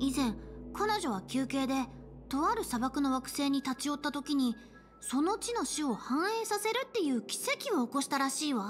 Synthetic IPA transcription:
izẽ̞ŋkʰanoʑo̞β̞akʲɨːke̞ːd̪e̞ | t̪o̞βaɾɯ̟sabakɯ̟no̞βakɯ̟̥se̞ːɲ̟it̪at͡ɕio̞t̪ːat̪o̞kʲiɲ̟i | so̞no̞t͡ɕino̞ɕɨo̞hãɰ̃eːsase̞ɾɯ̟t̪ːe̞jɯ̟ːkʲi̥se̞kʲio̞ːko̞ɕi̥t̪aɾaɕiːβa

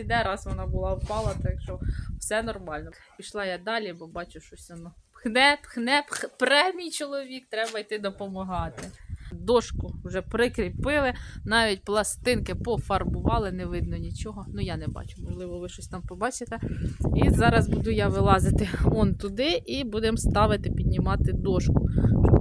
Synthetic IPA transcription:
id̪ɛɾɑsʋɔnɑbʊlˠɑwpɑlˠɐt̪ɑkʃɔw̥sɛnɔrmɑlʲnɔ | piʃlˠɑjad̪ɑlʲibɔbɑt͡ʃʊʃɔsʲɔnɔ | xnɛpxnɛppɾɛmʲijt͡ʃɔlˠɔʋʲik̚t̪ɾɛbɐjt̪ɪd̪ɔpɔmɐɦɑt̪ɪd̪ɔʃkʊwʒɛpɾɪkɾʲɪpɪlˠɪnɑʋʲitʲplˠɐst̪ɪnkɪpɔfɐrbʊʋɑlˠɪnɛʋɪd̪̚nɔnʲit͡ʃɔɦɔnujanɛbɑ̰t͡ʃʊmɔʒlˠɪʋɔʋɪʃɔsʲt̪ɑmpɔbɑt͡ʃɪt̪ɛizɑɾɐzbud̪ʊjaʋɪlˠɑzɪt̪ɪɔnt̪ʊd̪ɪʔibud̪emst̪ɑʋɪt̪ɪpʲid̪ʲnʲimɑt̪ɪd̪ɔʃkʊ

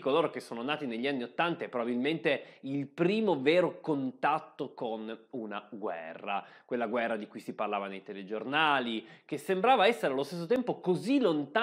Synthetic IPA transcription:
koloːɾok̟esːoːnonaːt̪ineʎːianːiot̪ːant̪aɛpːɾobabilment̪eilpɾiːmovɛːɾokont̪at̪ːokonunaɡwɛ̰rːa̰kwelːaɡwɛrːad̪ikujsiparlaːvanejt̪eled͡ʒornaːlikesːembɾaːvaɛsːeɾealːost̪es̬ːot̪ɛmpokozilːont̪a

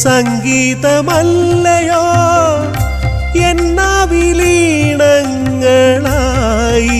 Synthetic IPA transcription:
sɐŋɡiːt̪ɐmɐlːɐjoː | jenːaʋiliːɳɐŋ | ɡɐɭa | ji

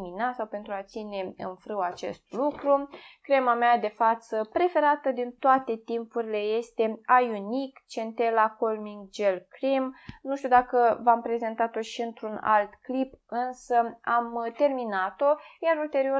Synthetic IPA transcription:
minasawpe̞nt̪ɾuat̪sine̞ɨ̰nfɾɨwat͡ʃe̞̰st̪lukɾukɾemamead̪e̞fat̪səpɾe̞fe̞ɾat̪əd̪int̪oat̪e̞t̪impuɾile̞je̞st̪e̞ajunikt͡ʃe̞nt̪elako̞lmiŋɡd͡ʒe̞lkɾimnuʃt̪ʲud̪akəvampɾe̞ze̞nt̪at̪o̞ʃiɨnt̪ɾuna̰lt̪klipɨnsəamt̪e̞rminat̪o̞jaɾult̪e̞ɾio

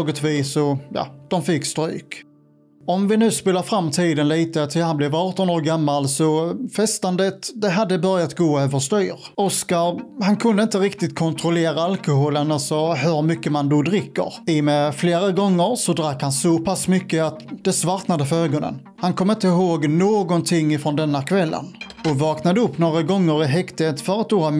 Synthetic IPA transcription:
ɡət̪viːsɔjɑ̰ːd̪̥ɔmfɪkːst̪ɾy̰ːk | ɔmvɪnʉ̟ːspeːlaɾfɾamːt̪ʰiːd̪ənliːt̪ət̪ʰɪlhanblɛvɑːʈɔnoːɾɡamːalsɔfɛst̪and̪ət̪d̪ɛɦad̪ːəbœɾjat̪ɡoːøːvəʂt̪yːɾɔskaɾhankʰɵnd̪əɪnt̪əɾɪkt̪ɪt̪kʰɔnt̪ʰɾɔleːɾaalkʊhoːlənalsɔhɵɾmʏkːəmand̪ɔd̪ɾɪkːə̰ɾɪmɛfleːɾaɡɔŋːəɾsɔd̪ɾakːhansɔpʰasmʏkːəat̪d̪ɛsvaɾt̪nad̪əfɾøːɡɔnə̰n | hankʰɔmːɪnt̪əɪɦoːɡnoːɡɔnt̪ʰɪŋːɪfɾɔnd̪ɛnːakʰvɛlːə̰n | ɔvɑːknad̪əɵpːnoːɾaɡɔŋːəɾɪɦɛkt̪et̪fœɾat̪ːoːa

